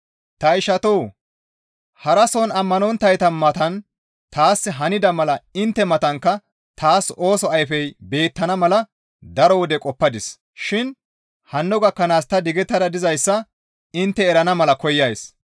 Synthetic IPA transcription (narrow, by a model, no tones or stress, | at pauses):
t̪ɐɪʃɐt̪oː | hɐɾɐsɔnɐmːɐnɔnt̪ːɐjt̪ɐmːɐt̪ɐn | t̪aːsːɪɦɐnɪd̪ɐmɐlɐɪnt̪ːɛmɐt̪ɐŋkːɐ | t̪aːso̞ːsɔɐjfɛjbe̞ːt̪ːɐnɐmɐlɐ | d̪ɐɾɔwɔd̪ɛkʼɔpːɐd̪ɪs | ʃɪn | hɐnːɔɡɐkːɐnaːst̪ɐd̪ɪɡɛt̪ːɐd̪ɐd̪ɪzɐjsːɐ | ɪnt̪ːɛɛɾɐnɐmɐlɐkɔjːɐjs